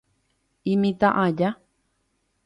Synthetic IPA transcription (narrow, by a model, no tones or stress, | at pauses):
imĩt̪aʔaja